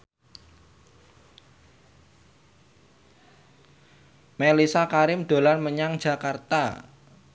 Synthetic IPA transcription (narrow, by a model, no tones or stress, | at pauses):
melisakaɾɪmd̪̥o̤lanməɲaŋd͡ʒʒ̥ä̤kart̪a̰